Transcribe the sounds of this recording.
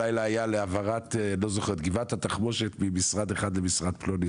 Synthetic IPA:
ajlaajaleavaʁat̪elo̞zoχeʁet̪̚ɡivat̪hat̪aχmo̞ʃet̪mimisʁad̪eχad̪lemisʁad̪ploni

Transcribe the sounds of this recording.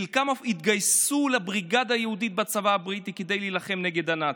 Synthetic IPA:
ilkamafit̪ɡajsulabʁiɡad̪aajehudit̪bat͡savaabʁit̪iked̪e̞jlilaχe̞mneɡe̞d̪ana

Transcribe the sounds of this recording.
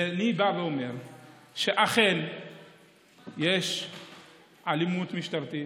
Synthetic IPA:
enibaveome̞ʁ | ʃeʔaχen | jeʃ | ʕalimut̪miʃt̪aɾt̪i

